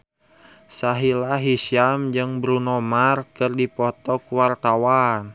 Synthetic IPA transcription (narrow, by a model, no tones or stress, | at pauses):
saɦilaɦiʃiamd͡ʒɨŋbɾunɔmarkɨrdipɔt̪ɔkuwart̪awan